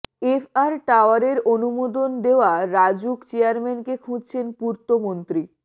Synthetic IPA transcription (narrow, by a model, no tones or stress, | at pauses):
efʰaɾʈaoaɾeɾonumod̪ond̪eoaɾad͡ʑukt͡ɕeaɾmenkekʰũd͡ʑt͡ɕʰenpuɾt̪omont̪ɾi